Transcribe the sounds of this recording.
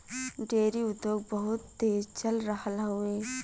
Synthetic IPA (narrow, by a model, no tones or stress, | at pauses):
ɖeːɾiʊd̪joːɡ̚bɐɦʊt̪ːeːzt͡ʃɐlɾɐɦəlɦʊeː